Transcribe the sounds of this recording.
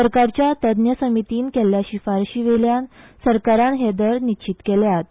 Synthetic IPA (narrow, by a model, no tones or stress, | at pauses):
səɾkaɾt͡ɕjat̪əd̪njəsəmit̪iːnkeljaɕifaɾɕiʋeljansəɾkaɾãnɦed̪əɾnit͡ɕit̪keljat̪̚